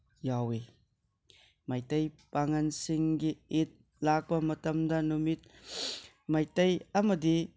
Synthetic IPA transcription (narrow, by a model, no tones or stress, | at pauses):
jawi | majtɐjpaŋɐnsiŋɡiit̪̚ | lak̚bɐmɐtɐmdanumit̪̚ | majtɐjamɐd̪i